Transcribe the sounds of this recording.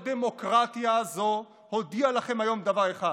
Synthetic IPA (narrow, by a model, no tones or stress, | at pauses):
d̪emo̞kʁat̪ijazo̞ | ho̞d̪ialaχe̞majo̞md̪avaʁeχa